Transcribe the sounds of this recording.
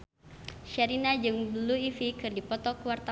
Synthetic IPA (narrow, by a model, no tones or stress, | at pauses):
ʃaɾinad͡ʒɨŋbəluifikɨrdipɔt̪ɔkuwart̪a